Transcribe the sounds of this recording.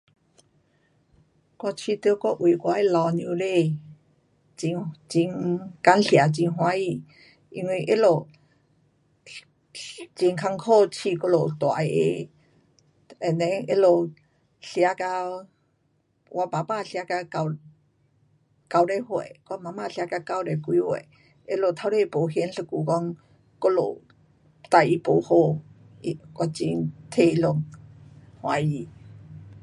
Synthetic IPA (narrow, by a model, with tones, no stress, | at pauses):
kwa˧t͡ɕʰi˧t̪ɨ˧˦kɔ˦ʔwi˨˩˨kwa˧˦e˦˨lɔ˧njũ˧le˥˧˨ | t͡ɕi˧ŋt͡ɕi˧ŋka˧˦nɬja˨˩t͡ɕi˧ŋɦw̃a˧˦i˧˨ | i˧ŋwi˧ʔe˦lo˧˩ | t͡ɕi˧ŋkʰa˧ŋkʰo˥˧˨t͡ɕʰi˧˨ko˧˦lo˨t̪wa̰˨˧ḛ˧˦ | e˨nẽ˧˦e˦˥lo˨˩ | ɬi˧a˧˦ka˧ | wʔa˧pa˨pa˥˧˨ɬa˧˦ka˧ka˧˩ | ka˧wɾe˧˨hwe˨ka˧˦ŋma˧˨mã˥˧˨ɬi˧a˧˦ka˧ka˧˨wɾe˧˨kwi˧˦hwḛ˧˨ | e˦lo˧˨t̪ʰa˧˦wɾe˧˨˧po˨ɦi˧˦nɬə˧ku˨kɔ˧˦ŋ | ko˧˦lo̰˨ | t̪a˧˨i˧po˨˦ho˧˨ | i˧kwa˧t͡ɕi˧ŋt̪ʰe˧˨i˧lo˧ŋ | hw̃a̰˨˦i˧˨